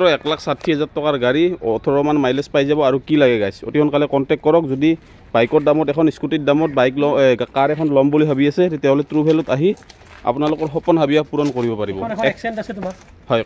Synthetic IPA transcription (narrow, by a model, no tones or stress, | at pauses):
tɔɹɔɛklakʰsatʰːiɦɛzatʰːɔkaɹɡaɹiɔtʰɔɹɔmanmajlɛspajzabɔaɹukilaɡɛɡajso̰tikʰɔnkalɛkɔntɛk̚tkɔɹɔk̚zodi | bajkɔtdamɔtɛkʰɔniskutit̚damɔt̚bajklɔɡakaɹɛkʰɔnlɔmbuliɦabiasɛttɛɦɔlɛtɹubʱɛlɔtaɦi | a̰punalʊkɔɹxɔpɔnɦabijapuɹɔnkoɹibɔpaɹibɔkɛnasɛta | hɔj